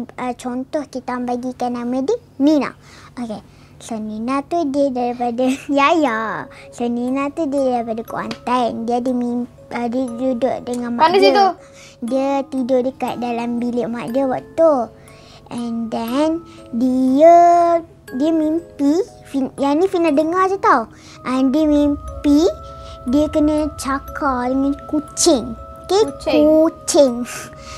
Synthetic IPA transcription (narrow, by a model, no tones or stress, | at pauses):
ət͡ʃɔnt̪ɔhkit̪ambaɡikanamədi | nina̰ | ʔoke | ɬəninat̪udiədaɾipadəjajaɬəninat̪udiədaɾipadəkua̰nt̪andiədəmim | ədəd͡ʒudoʔdəŋanmaəiət̪u | diət̪idʊʔdəkaʔ̪̚dalambilɪʔmaʔdiəwaʔt̪u | ʔɛndɛn | diə | diəmimpi | finjanifinadəŋad͡ʒət̪aw | ʔandiəmimpidiəkənət͡ʃakʰadəŋãnkut͡ʃɪŋokekut͡ʃɪŋ